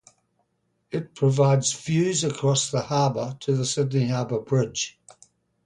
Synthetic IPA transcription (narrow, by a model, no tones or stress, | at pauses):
ɪt̚pʰɹ̥əvaɪdz̥fjʉːzəkʰɹ̥ɒsðəhɑːbətʰəðəsɪdⁿnihɑːbəbɹɪd̥ʒ̥